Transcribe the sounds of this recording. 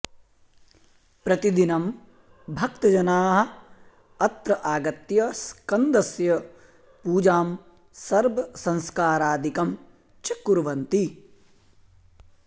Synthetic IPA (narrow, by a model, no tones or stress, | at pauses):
pɾɐt̪id̪inɐm | bʱɐkt̪ɐd͡ʒɐnaːɦɐ̆ | ɐt̪ɾɐʔaːɡɐt̪jɐskɐnd̪ɐsjɐ | puːd͡ʒaːm | sɐɾbʱɐsɐ̃ŋskaːɾaːd̪ʱikɐm | t͡ʃɐkːuɾʋɐnt̪i